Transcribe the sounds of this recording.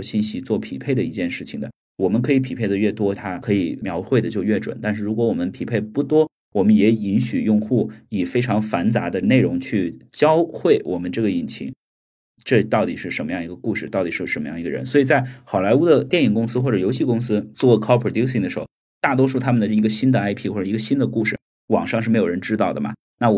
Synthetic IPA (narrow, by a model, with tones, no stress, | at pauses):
ɕi˥˩nɕi˥t͡swɔ˥˩pʰḭ˨˩pʰe˥˩ɪd̪ə˩i˧˥t͡ɕjɛ˥˧nʂɻ̩˥˩t͡ɕʰi˨˩ŋd̪ə̰˩˦ | wɔ˨˩mə˦nkʰɤ˧˥i˧˥pʰi˨˩pʰe˥˩ɪd̪ə˩ɥɛ˥˩t̪wɔ˥t̪ʰa˥kʰɤ˧˥i˨˩mjɑ˧˥ʊxwe˥˩ɪd̪ə˩t͡ɕjo˥˧ʊɥɛ˥˩ʈ͡ʂwə̰˨˩˦nt̪a˥˧nʂ̬ɻ̩˥˩ɻu˧˥kwɔ˧˥wɔ˨˩mə˦npʰi˨˩pʰe˥˩ɪpu˥˩t̪wɔ˥ | wɔ˨˩mə˦njɛ˧˥i˧˥nɕy˨˩jʊ˥˧ŋxu˥˩i˨˩fe˥ɪʈ͡ʂʰɑ˧˥ŋfa˧˥nt͡sa˧˥d̪ə˧ne˥˩ɪɻʊ˧˥ŋt͡ɕʰy˥˩t͡ɕjɑ˥ʊxwe˥˩ɪwʔɔ˨˩mə˦nʈ͡ʂɤ˥˩ɡə˩i˨˩nt͡ɕʰḭ˧˥ŋ | ʈ͡ʂɤ˥˧t̪ɑ˥˩ʊt̪i˨˩ʂɻ̩˥˩ʂə˧˥nmə˧jɑ˥˩ŋi˧˥ɡə˧ku˥˧ʂɻ̩˥˩t̪ɑ˥˩ʊt̪i˨˩ʂɻ̩˥˩ʂə˧˥nm˧jɑ˥˩ŋi˧˥ɡə̰˧ɻə̰˧˥nswɔ˧˥i˨˩t͡sa˥˩ɪxɑ˨˩ʊla˧˥ɪu˥d̪ə˨t̪jɛ˥˩ni˨˩ŋkʊ˥ŋsɹ̩˥xwɔ˥˩ʈ͡ʂɤ˨˩jo˧˥ʊɕi˥˩kʊ˥ŋsɹ̩˥t͡swɔ˥˩˥kʰɑ˥pʰə˨˩t̪i˥ksi˥˩ŋd̪ə˩ʂɻ̩˧˥xo˧˩ | t̪a˥˩t̪wɔ˥ʂ̬u˥˩t̪ʰa˥mə˨nd̪ə˩i˧˥ɡə˧ɕi˥nd̪ə˨a˥ɪpʰi˥˧xwɔ˥˩ʈ͡ʂɤ˨˩i˧˥ɡə˧ɕi˥nd̪ə˨ku˥˧ʂɻ̩˥˩ | wɑ̰˨˩ŋʂɑ˥˧ŋʂ̬ɻ̩˥˩me˧˥ɪjo˨˩ɻə˧˥nʈ͡ʂɻ̩˥t̪ɑ˥˩ʊd̪ə˩mɐ̰˩ | na˥˩